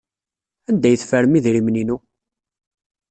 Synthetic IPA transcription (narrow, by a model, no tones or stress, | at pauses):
ænd̪æjəθfəɾəmiðɾimninu